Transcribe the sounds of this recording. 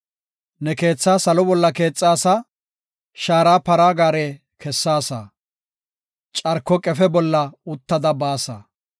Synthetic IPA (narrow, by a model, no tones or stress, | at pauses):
nɛke̞ːt͡sːaːsɐlɔbɔlːɐke̞ːt͡sʼːaːsa | ʃaːɾaːpɐɾaːɡaːɾe | kʰɛsːaːsɐ̰ | t͡ʃʼɐɾkːɔkʼɛfɛbɔlːɐʊt̪ːɐd̪ɐbaːsɐ̰